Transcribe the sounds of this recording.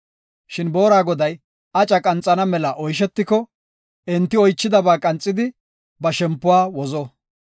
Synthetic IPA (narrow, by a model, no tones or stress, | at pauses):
ʃɪnbo̞ːɾaːɡɔd̪ɐj | ʔɐt͡ʃʼɐkʼɐnt͡sʼːɐnɐmɛlɐʔɔjʃ̬ɛt̪ːɪkɔ | ɛnt̪ːɪɔjt͡ʃːɪd̪ɐbaːkʼɐnt͡sʼːɪd̪ɪ | bɐʃɛmpːʊwaːwɔzɔ